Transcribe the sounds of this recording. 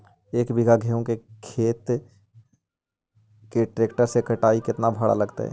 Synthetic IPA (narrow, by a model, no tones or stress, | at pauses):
eːkbɪɡʱaɡʱeõkekʰeːt̪ | keʈɾeːkʈəɾsekəʈaːikɪt̪nabʱəɽa̰lɐɡt̪a̰ɦɛ̰ː